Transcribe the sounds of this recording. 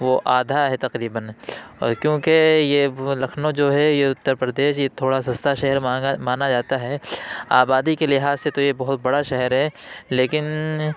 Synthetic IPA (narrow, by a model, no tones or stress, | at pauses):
ʋoʔaːd̪ʱaɦɛt̪ɐqɾiːbənɔ̰ːɾkjõːkejelɐkʰnod͡ʒoːɦɛjeʊt̪ːəɾpɾəd̪eːʃjet̪ʰoːɽasɐst̪aʃɛɦəɾamaːnad͡ʒaːt̪aɦɛːaːbaːd̪ikelɪɦaːzset̪ojebɐɦʊt̪bɐɽaʃɛɦɛɾɦɛ | leːkɪn